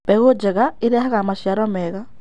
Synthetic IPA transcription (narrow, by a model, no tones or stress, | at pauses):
bɛɣod͡ʒɛɣaiɾɛhaɣamaʃiaɾɔmɛɣa